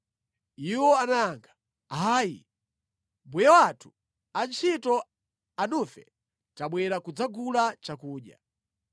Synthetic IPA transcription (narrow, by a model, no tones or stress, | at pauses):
iwɔanaaŋɡa | ɦaːjḭ | mbujawatʰu̥ | ant͡ʃʰitɔ | anufɛ̰ | taɓwɛɾakud͡zaɡulat͡ʃakuːɗja̰